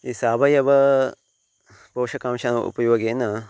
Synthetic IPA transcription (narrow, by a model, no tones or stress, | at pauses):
isaːbɐjɐʋɐ | poːʃɐkaːmʃɐnɐṵpɐjuʋɐɡeːnɐ